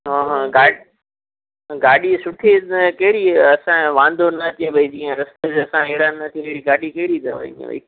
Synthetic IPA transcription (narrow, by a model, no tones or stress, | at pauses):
ɦãːɦãːɡaː | ɡaːɗisʊʈʰekɐɦɪɽiɐsãʋãːnd̪ʱonɐt̪eʋɐid͡ʑĩːẽɾɐst̪ed͡ʑɐsãeɦɪɽanɐt̪ʰieɦɽiɡaːɗikɐɦɪɽit̪ɐʋɐ̰ḭd͡ʒiḛ̃ʋɐ̰ḭː